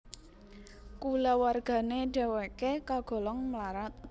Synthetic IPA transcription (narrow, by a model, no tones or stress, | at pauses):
kulawarɡ̥a̤neɖ̥a̤wekekaɡ̥ɔ̤lɔŋməlaɾat̪̚